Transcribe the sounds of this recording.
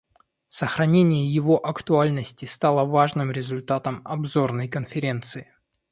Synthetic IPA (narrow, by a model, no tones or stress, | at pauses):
səxɾɐnʲenʲɪjəjɪvo̞ʔɐkt̪ʊalʲnəsʲtʲɪst̪alˠəvaʐnɨmɾʲɪzʊlʲt̪at̪əmɐbzo̞rnəjkənfʲɪɾʲe̞nt̪sɨɪ